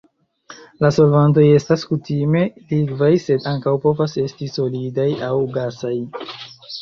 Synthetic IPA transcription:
laso̞lvant̬o̞je̞staskutime̞liɡvajse̞daŋkawpo̞vase̞stiso̞lidajawɡasaj

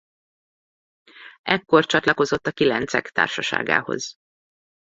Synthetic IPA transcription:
ɛkːo̞rt͡ʃɒt̪lɒko̞zo̞t̪ːɒkilɛnt̪sɛ̰kt̪a̰ːrʃɒʃa̰ːɡa̰ːho̞̰z̥

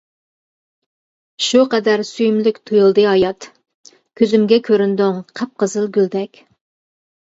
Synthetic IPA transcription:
ʃuqɛd̪æɾsyjmlykʲt̪ʰujulˠd̪ɨɑjɑt̪ | kʲʰøzymɡʲɛkʲʰøɾynd̪yŋqʰɛp̚qəzɨlˠɡʲyld̪ɛkʲ

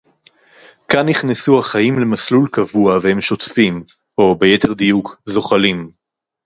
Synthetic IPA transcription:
kanːiχnesuhaχajimle̞maslulkavuavehe̞mʃot̪fim | o̞bejete̞ʁd̪ijukzo̞χalim

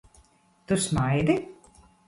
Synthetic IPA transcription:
t̪usmajd̪i

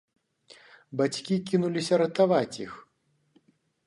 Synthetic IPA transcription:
bat͡sʲkʲikʲinulʲisʲɐɾɐt̪avat͡sʲix

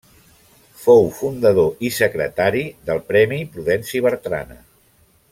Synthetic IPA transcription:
fowfund̪əðoʔisəkɾə̰t̪aɾiðəlˠpɾɛmipɾuðɛnsiβəɾt̪ɾa̰nə̰

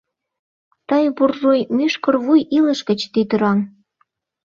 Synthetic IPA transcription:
t̪ɑjβurʒojmyʃkɤ̆rβujilə̆ʃkə̆t͡ɕt̪it̪əɾɑm

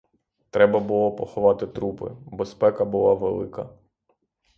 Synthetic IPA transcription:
t̪ɾɛbɐbʊlˠɔpɔxɔʋɑt̪ɪt̪ɾupɪ̰bespɛkɐbʊlˠɑʋelˠɪkɐ

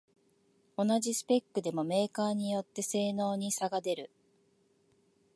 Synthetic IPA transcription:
o̞naʑisɨ̥pe̞kːɯ̟d̪e̞mo̞me̞ːkaːɲ̟ijo̞t̪ːe̞se̞ːno̞ːɲ̟isaɡad̪e̞ɾɯ̟

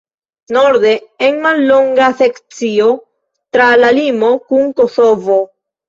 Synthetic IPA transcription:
no̞ɾde̞enmalːo̞ŋɡase̞kt͡sio̞ | tɾalalimo̞kuŋko̞so̞vo̞

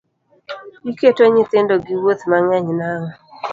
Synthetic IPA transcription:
ɡiketoɲɪt̪ɪndoɡɪwot̪maŋaɲnaŋɔ

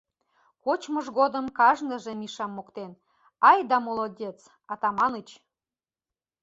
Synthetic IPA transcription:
kot͡ɕməʒɣod̪əmkɑʒnə̆ʒĕmiʃɑmːokt̪en | ɑjd̪ɑmolˠodʲet͡s | ɑt̪ɑmɑnət͡ɕ

